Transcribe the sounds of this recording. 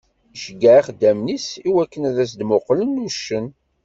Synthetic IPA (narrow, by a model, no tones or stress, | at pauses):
ʒəɡæʕiχd̪ːæmnisiwækːənæðæsd̪mʊqlənːuʃːən